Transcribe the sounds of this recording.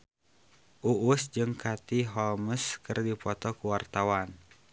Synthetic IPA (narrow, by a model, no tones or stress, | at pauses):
ʔuʔusd͡ʒɨŋkat̪iɦɔlməskɨrdipɔt̪ɔkuwart̪awan